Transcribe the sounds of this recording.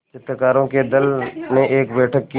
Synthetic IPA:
t͡ʃɪt̪ɾəkaːɾõked̪ɐlmẽʔeːkbɛːʈʰəkːi

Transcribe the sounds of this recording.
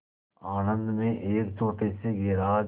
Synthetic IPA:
aːnə̃nd̪mẽʔeːkt͡ʃʰoːʈeseɡeːɾaː

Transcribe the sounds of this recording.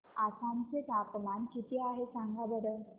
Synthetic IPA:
asãnt͡set̪apmankit̪iaɦesaŋɡʱabəɽəl

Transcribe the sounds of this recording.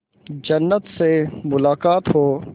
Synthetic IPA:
d͡ʒɐnːət̪semʊlaːkaːt̪ɦoː

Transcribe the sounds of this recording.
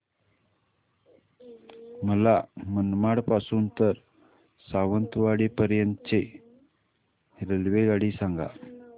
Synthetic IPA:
məlamənmaɽpasuːnt̪əɾ | saʋənt̪ʋaɽipəɾjənt̪ət͡se | ɾelʋeɡaɽisaŋɡa̰

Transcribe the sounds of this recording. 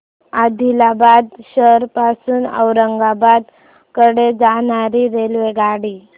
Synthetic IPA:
ad̪ʱilabad̪ɕəɾpasuːnə̰wɾəŋɡabad̪ | kəɽed͡zaɳaɾiɾelʋeɡaɽiː

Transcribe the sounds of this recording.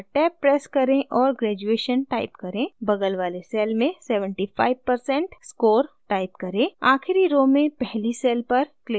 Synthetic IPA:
ʈɛːpːɾɛːskɐɾẽʔɔːɾɡɾɛːd͡ʒueːʃənʈaːɪpkɐɾẽbɐɡəlʋaːlesɛːlmẽsɛːʋə̃ɳʈipʰa̰ːɪʋpɐɾsɛ̃ɳʈskoːɾʈaːɪpkɐɾẽaːxɪɾiɾoːmẽpɛɦlisɛːlpɐɾkle

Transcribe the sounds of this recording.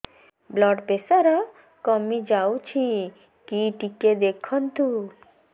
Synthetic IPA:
blɔɖpesaɾa | kɔmid͡ʒawt͡ʃʰi | kiʈiked̪ekʰɔnt̪u

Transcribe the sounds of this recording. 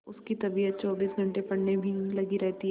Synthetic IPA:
ʊskit̪ɐbijət̪̚t͡ʃɔːbiːsɡʱɐ̃ɳʈepɐɽ̤nebʱilɐɡiɾɛɦt̪iɦ

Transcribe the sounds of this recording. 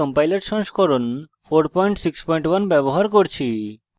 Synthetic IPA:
ɔmpajleɾʈsɔŋʃkɔɾon | fʰoɾpɔjɳʈsikspɔjɳʈwanbɛboɦaɾkoɾt͡ɕʰi

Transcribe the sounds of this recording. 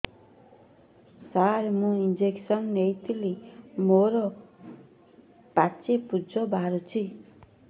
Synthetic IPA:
saɾmũind͡ʒeksɔnnejt̪ʰilimoɾɔ | pat͡ʃepud͡ʒɔbaɾut͡ʃʰi

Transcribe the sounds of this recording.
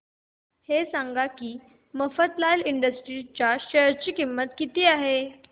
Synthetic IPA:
hesaŋɡakiː | məfət̪lajliɳɖəsʈɾit͡ɕjaɕəɾt͡ɕiːkimːət̪kit̪iːaɦe

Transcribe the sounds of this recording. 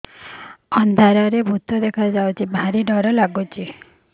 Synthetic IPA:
ɔnd̪ʱaɾaɾebʱut̪ɔd̪ekʰad͡ʒawt͡ʃʰibʱaɾiɖɔɾɔlaɡut͡ʃʰi

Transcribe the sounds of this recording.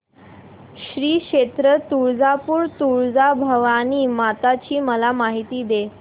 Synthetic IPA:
ɕɾiːkɕet̪ɾət̪uɾd͡zapuːɾt̪uɭd͡zabʱəʋañiːmat̪at͡ɕiːməlamaɦit̪iːd̪e

